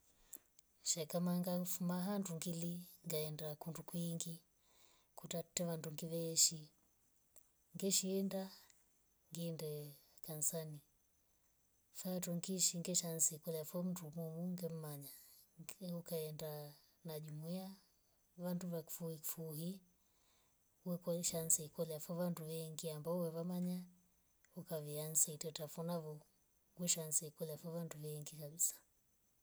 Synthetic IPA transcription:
ʃakamaŋɡafumaɦanduŋɡiliŋɡaɛndakundukwiŋɡi | kutatɛʋanduŋɡiβɛʃi | ŋɡɛʃiɛnda | ŋɡindɛ | kansani | fatɔŋɡiʃiŋɡɛʃansikulafɔm̩dumumuŋɡɛm̩maɲa | ukaɛnda | naʄumuia | vanduvaku̥fuiku̥fuɦi | uwɛkɔʃansiikɔlɛafɔvantuvɛŋɡiambaɔuwɛvamaɲa | ukaviansɛitɛtafɔnavɔ | ŋɡwɛʃansiikɔlɛafɔvantuvɛŋɡikaɓisḁ

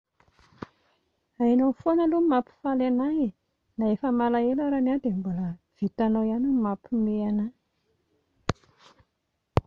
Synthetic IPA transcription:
ainofonəlumapi̥falenae | naefəmalaelaɾanad̪embuləv̥it̪anoianumapimeana

